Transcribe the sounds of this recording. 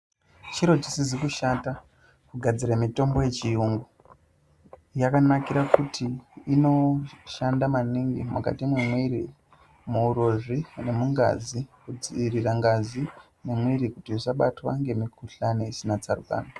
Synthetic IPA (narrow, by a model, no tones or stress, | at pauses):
t͡ʃiɾo̞tisizikuʃata | kuɡʱad͡ziramito̞mbo̞je̞t͡ʃijuŋɡu | jakanakiɾakutʰiːno̞ʃandamaniŋɡimuka̰timwemweiɾi | muuɾoʐine̞muŋɡa̰zikud͡ziiriraŋɡazi | nemweɾikutiisaɓatwa̰ŋɡe̞mikʰuɬaneisinat͡saruka̰ːno